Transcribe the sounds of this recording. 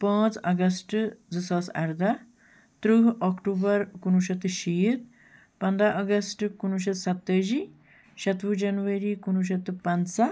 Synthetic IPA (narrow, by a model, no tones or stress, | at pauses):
pə̃ːt͡sɐɡɐsʈd͡zɨsɐːsɐ̰ɾd̪a | t̪ɾuɦɔkʈuːbɐɾkunuʃɐt̪ʃiːt̪̚ | pɐnd̪aʔɐɡɐsʈkunuʃɐt̪sɐt̪ːɐd͡ʒiː | ʃɐt̪ʋud͡ʒɐnʋɐɾikunuʃ̬ɐt̪pɐnsa